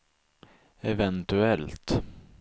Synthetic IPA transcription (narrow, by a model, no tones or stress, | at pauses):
ɛvɛnt̪ɵɛlt̪